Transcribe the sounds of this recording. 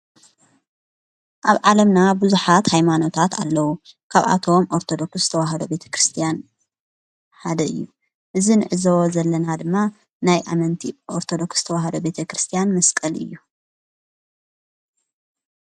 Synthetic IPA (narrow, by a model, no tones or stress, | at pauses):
ʔaβʕalɐmnabuzuħat̪hajmano̞t̪ʰat̪a̰lːɐwukʰaβʔa̰t̪ʰo̞mʔoɾt̪ʰod̪o̞ksz̥ɨt̪ʰɐwaɦɐd̪o̞be̞t̪ʰɐ̥kɾɨst̪ʰijan | ħad̪ɐʔɨjːu | ʔɨzinɨʕɨzɐwozɐlːɐnad̪ɨmːa | najʔa̰mɐnt̪ʰiʔoɾt̪ʰod̪o̞ksz̥t̪ʰɐwaɦɐd̪o̞be̞t̪ʰɐkɾɨst̪ʰijanmɐskʼɐlʔɨ̰jːu